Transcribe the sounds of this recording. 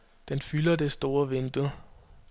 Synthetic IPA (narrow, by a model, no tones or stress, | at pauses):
d̥enfylɐd̥e̝sd̥o̝ːɐʋenb̥l̩ˠ